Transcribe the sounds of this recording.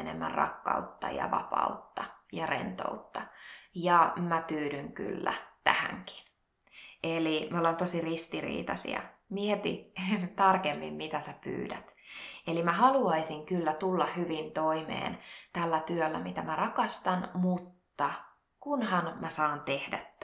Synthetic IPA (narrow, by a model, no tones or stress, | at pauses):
enḛmːæ̰rrɑ̰kːɑ̰ut̪ːɑ̰jɑ̰ʋɑ̰pɑ̰ut̪ːɑjɑrḛnt̪o̰ut̪ːɑjɑmæt̪yːdyŋky̰lːæ̰t̪æ̰hæ̰ŋki̥n | elimolent̪osirist̪irḭːt̪ɑsḭɑ̰miɛt̪ḭt̪ɑrkemːḭmmit̪æsæpy̰ːdæt̪elimæhɑluɑisiŋkylːæt̪ulːɑhyʋint̪oimḛːnt̪ælːæt̪yølːæ̰mit̪æmærɑkɑst̪ɑnmut̪ːɑ | kunhɑnmæsɑːnt̪ehdæt̪ː